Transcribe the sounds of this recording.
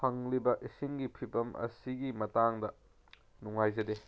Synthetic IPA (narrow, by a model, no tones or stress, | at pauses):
pʰɐŋlibɐʔisiŋɡipʰibɐmʔɐ̰siɡimɐtaŋdɐ | nuŋajzɐde